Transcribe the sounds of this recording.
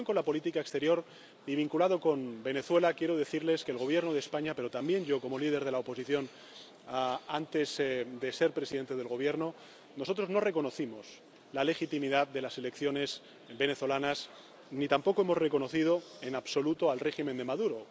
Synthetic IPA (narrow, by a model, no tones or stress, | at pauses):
oŋko̞nlapo̞lit̪ikaekst̪e̞ɾjo̞ɾ | iβiŋkulaðo̞ko̞mbe̞ne̞θwe̞lakje̞ɾoð̞e̞θiɾle̞ske̞ːlɣo̞β̞je̞ɾnoð̞espaɲape̞ɾo̞t̪ambje̞nʝo̞ko̞mo̞lið̞e̞ɾð̞e̞laopo̞siθjo̞n | ant̪e̞zd̪e̞se̞ɾpɾeiðe̞nt̪e̞ðelɣ̞o̞βje̞ɾno̞ | no̞so̞t̪ɾo̞zno̞re̞ko̞no̞θimo̞s | lale̞xit̪imiðaðd̪e̞lase̞le̞kθjo̞ne̞s | be̞ne̞θo̞lanas | nit̪ampo̞koe̞mo̞zre̞ko̞no̞θið̞o̞e̞naβso̞lut̪oalre̞ximend̪e̞maðuɾo̞